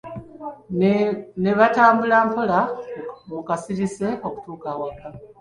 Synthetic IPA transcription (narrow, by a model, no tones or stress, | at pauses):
ne̞βataːmbulaːmpo̞lamukasiɾise̞o̞ku̥tuːkaːwaka